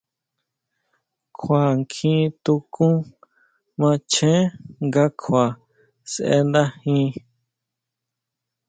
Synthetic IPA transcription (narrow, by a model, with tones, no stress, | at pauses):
kʰʷa˨ŋkʰĩ˦˧t̪u˧kũ˦ | mã˧t͡ʃẽ˦ŋɡa˦kʰwa˨ | sʔḛ˧nd̪a˦hĩ˦